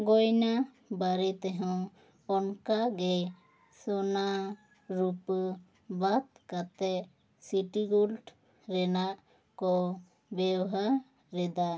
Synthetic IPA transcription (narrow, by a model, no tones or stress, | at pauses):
ɡɔjna | baɾɛt̪ɛɦɛw | ɔnkaɡɛ | sɔna | ɾup | bat̪̚kat̪ɛ | siʈiɡulʈ | ɾɛnaʔ | kɔ | bɛwɦa | ɾɛd̪a